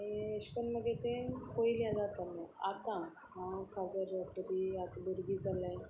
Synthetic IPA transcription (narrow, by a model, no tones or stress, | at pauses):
iəɕkənməɡet̪ekoiljãd͡zat̪alãat̪ã | ɦãkʰad͡zəɾt̪əɾiat̪bəɾɡiːd͡zʱalaj